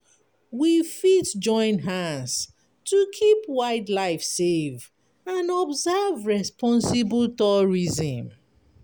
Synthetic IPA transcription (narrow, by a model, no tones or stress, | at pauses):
wifitd͡ʒɔ̃ɪ̃nɦãns | tʰukʰipwaɪdlaɪfsev | ãnɔbzɛvɹɛspɔ̃nsibltɔɹizĩm